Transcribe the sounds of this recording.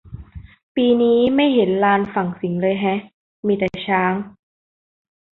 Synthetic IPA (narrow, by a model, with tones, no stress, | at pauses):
piː˧niː˦˥ma˥˩jɦe˩˦nlaː˧nfa˨˩ŋsi˨˩˦ŋlɤː˧jɦɛ˦˥ | miː˧t̪ɛ˨˩t͡ɕʰaː˦˥ŋ